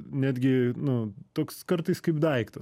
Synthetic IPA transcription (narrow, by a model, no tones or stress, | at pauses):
nʲæːd̪ʲɡʲɪnʊt̪oːkskɐɾt̪ɐɪskɐɪpd̪ɐɪkt̪ɐs